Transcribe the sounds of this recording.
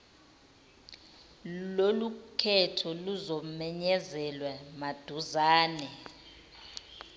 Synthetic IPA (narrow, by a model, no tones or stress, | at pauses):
lolukʰɛtʰɔluzɔmɛɲɛzɛlwɛmad̥ʱuzaːnɛ